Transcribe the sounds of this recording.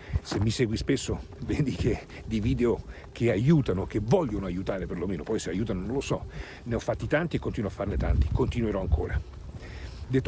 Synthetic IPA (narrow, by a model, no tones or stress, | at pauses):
semːisɛːɡwispesːovend̪ike | d̪iviːd̪eo | k̟ʰeajuːt̪anok̟evɔʎːonoajut̪aːɾeperlomeːnopɔjseajuːt̪anonõnlosɔ | neɔfːat̪ːit̪ant̪iekːont̪iːnoafːarnet̪a̰nt̪i̥kont̪inweɾɔaŋkʰo̰ːɾa | d̪et̪ː